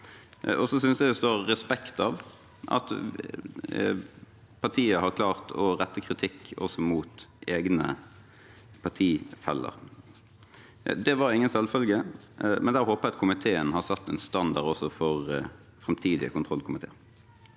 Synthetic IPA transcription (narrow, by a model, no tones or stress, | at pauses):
ɔsɔsʏnsd̪æd̪ɛst̪oːɾːɛspɛkt̪ɑʋ | ʔɑ̰t̪ | pʰɑʁʈ̪ʰiːəhɑɾkʰlɑːʁt̪ʰɔɾɛt̪ːəkʰɾɪt̪ʰɪkːɔ̰sɔmuːt̪eːɡnə | pʰɑʈ̪ʰiːfɛ̰lːə̰ʁ | d̪ɛʋɑɾɪŋːənsɛlfœlɡə | mɛnd̪æːɾhoːpəʁɛɑt̪̚kʰʊmɪt̪ʰeːənhɑɾsɑt̪ːɛnst̪ɑnd̪ɑɾɖɔsɔfɔʁ | fɾɛmt̪ʰiːd̪ɪə̰kʊnt̪ʰʁɔlkʰʊmɪt̪ʰḛː